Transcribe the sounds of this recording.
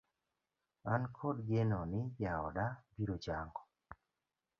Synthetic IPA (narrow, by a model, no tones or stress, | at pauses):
ankʰɔdɡenɔnɪjaɔdabiɾot͡ʃaŋɡɔ